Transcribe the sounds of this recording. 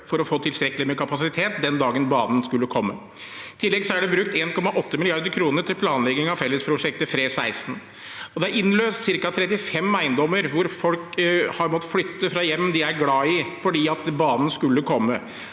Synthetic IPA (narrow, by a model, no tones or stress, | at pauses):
fɔɾɔfoːt̪ʰɪlst̪ɾɛkːəlɪmɛkʰɑpɑsɪt̪ʰeːt̪̚d̪ɛnd̪ɑːɡənbɑːnn̩skʉlːəkʰɔmːə̰ | ɪt̪ʰɪlːɛɡsɔæɖɛbɾʉk̚t̪eːnkʰɔmːɑʔɔt̪ːəmɪlɪɑɾd̪əɾkʰɾuːnəɾʈʰɪlpʰlɑːnlɛɡɪŋɑʋfɛlːəspʰɾʊʂɛkt̪əfɾeːsæɪsn̩ | ɔd̪ɛæɾɪnːløːst̪sɪɾkɑt̪ʰɾɛt̪ːɪfɛmæɪnd̪ɔmːəɾʋʊɾfɔlkhɑɾmɔt̪ːflʏt̪ːəfɾɑjɛmːd̪ɪæɾɡlɑːɪfɔɖiːɑt̪bɑːnən̩skʉlːəkʰɔmːə